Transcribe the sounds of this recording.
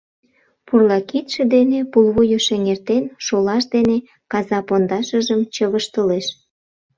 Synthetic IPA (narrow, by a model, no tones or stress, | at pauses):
purlɑkit̪ʃĕd̪enepulβujoʃeŋert̪enʃolɑʃd̪ene | kɑzɑpond̪ɑʃəʒəmt͡ɕəβəʃt̪əleʃ